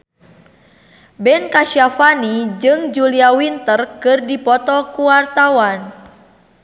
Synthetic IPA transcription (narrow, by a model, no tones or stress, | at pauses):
bɛnkaʃiafanid͡ʒɨŋd͡ʒuliawint̪ərkɨrdipɔt̪ɔkuwart̪awan